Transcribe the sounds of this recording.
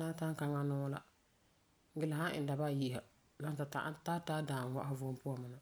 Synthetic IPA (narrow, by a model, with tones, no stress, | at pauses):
na˦ta˦ŋ˦ka˦ŋa˦nʊ˦la̰˨˦ | ɡɪ˦la˨ɦã˦ʔɪ̰˨n˦da˨ba˦˨ji˦˨ha˨ | la˦ta˨ta̰˦ta˦ta˦daː˨n˨wa˦ʔhvʊ˦m˦pʊ˦a˨mɨ˨na˨